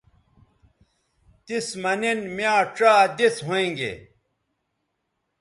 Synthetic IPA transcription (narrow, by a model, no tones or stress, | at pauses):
t̪ismɐninmjaːʈ͡ʂaːd̪isɦoẽŋɡḛ